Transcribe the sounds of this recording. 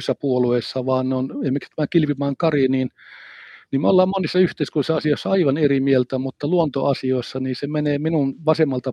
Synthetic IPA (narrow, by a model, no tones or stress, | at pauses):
sːɑpuoluesːɑʋɑːnneoneimːekst̪ːmæːkilʋimɑːŋkɑriniːn | niːmeolːɑːmmonisːɑyht̪eˑiskurisːɑɑsioˑisːɑɑiʋɑnerimielt̪æmut̪ːɑluont̪oɑsioˑisːɑniːsemeneːminunʋɑsemːɑlt̪ɑ